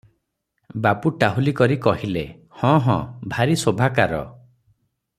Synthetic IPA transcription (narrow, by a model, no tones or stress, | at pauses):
bapuʈaɦulikɔɾikɔɦile | hɔ̃ɦɔ̰̃bʱaɾisobʱakaɾɔ̰